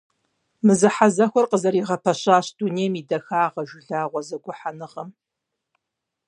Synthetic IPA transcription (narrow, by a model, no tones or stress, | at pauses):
mɨzɨħazɐxʷɔrqəzɐɾiːʁɐpʰɐɕʼaːɕd̥uːneːmiːdɐxaːʁɐʒʷɪɮaːʁʷɔzɐɡʷʊħanɨʁɐm